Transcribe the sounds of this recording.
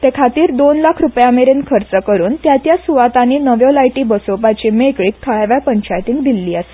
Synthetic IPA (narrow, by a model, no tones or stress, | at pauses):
t̪ekʰat̪iːɾd̪onlakʰɾupjameɾenkʰəɾt͡səkəɾuːnt̪jat̪jasuʋat̪anːiːnəʋjɔlajʈiːbəsopat͡ɕimekɭiːk̚t̪ʰəɭaʋjapəɲt͡ɕajt̪iŋɡd̪ilːiːəse̥